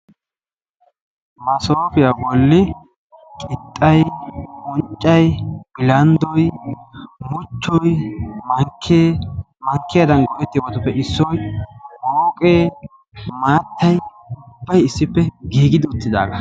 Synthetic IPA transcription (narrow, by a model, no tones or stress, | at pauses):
mɐsoːfɪjabɔlːɪ | kʼɪt̪ʼːɐjɔnt͡ʃʼːɐjb̥ɪlɐnd̪ɔj | mʊt͡ʃːɔjmɐŋkʰːeː | mɐŋkːɪjɐd̪ɐnɡɔʔɛt̪ːɪjwɔt̪ɔpːɛʔɪsːɔjoːkʼeː | maːt̪ʰːɐj | ʊbːɐjɪsːɪpːɛɡiːɡɪd̪ɪʊt̪ːɪd̪a̰ːɡɐ